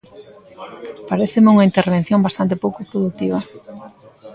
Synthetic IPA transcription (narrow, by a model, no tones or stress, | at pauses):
paɾeθɪmeuŋaint̪eɾβ̞ẽn̟θjoŋbast̪ant̪̬epowkʊpɾoðut̪iβ̞ɐ